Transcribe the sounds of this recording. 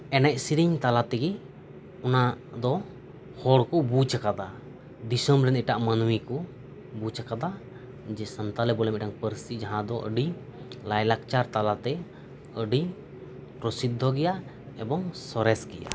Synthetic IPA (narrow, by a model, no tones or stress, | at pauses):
ɛnɛc̚siɾiɲt̪alat̪ɛɡi | unad̪ɔ | hɔɽkɔbut͡ʃakad̪a | d̪isɔmɾɛniʈaʔmənwikɔ | but͡ʃəkad̪a | d͡ʒɛsənt̪alɛbɔlɛmɛʈaŋpəɾsid͡ʒaɦãd̪ɔʔə̰ɖi | lajlak̚t͡ʃaɾt̪alat̪ɛ | əɖi | pɾɔsit̪̚ːɔɡɛja | ɛbɔŋsɔɾɛsɡɛja̰